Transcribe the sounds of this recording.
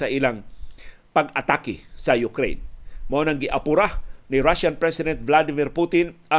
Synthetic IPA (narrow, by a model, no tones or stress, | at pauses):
sɐʔɪlaŋ | pɐɡɐt̪akɪsɐjʊkɾḛjnmoʔonɐŋɡɪʔɐpʊɾanɪɾaʃanpɹɛsɪd̪ɛnt̪̚vlad̪ɪmɪɾput̪ɪn | ɐ